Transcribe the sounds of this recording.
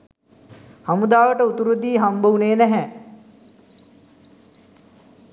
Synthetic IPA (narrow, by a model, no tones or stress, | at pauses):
hamud̪aːʋəʈəut̪uɾud̪iːɦambəuneːnæɦɛ